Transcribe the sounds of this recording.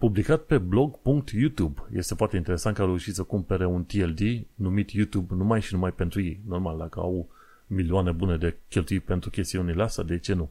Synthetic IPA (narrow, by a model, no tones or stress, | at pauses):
publikat̪̚pe̞blo̞ɡpuŋk̚t̪jut̪ubje̞̰st̪e̞foart̪eint̪ee̞sant̪kaɾeuʃit̪səkumpe̞ɾe̞unt̪ield̪inumit̪jut̪ubnumajʃinumajpe̞nt̪ɾujḛjno̞rmald̪akəa̰w | miliane̞bune̞d̪e̞kʲelt̪ujijpent̪ɾukʲest̪iunileast̪a̰d̪e̞t͡ʃe̞nu